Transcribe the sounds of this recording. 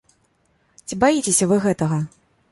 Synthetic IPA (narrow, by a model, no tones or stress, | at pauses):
t͡sʲibajit͡sʲesʲɐvɨɣɛt̪ɐɣɐ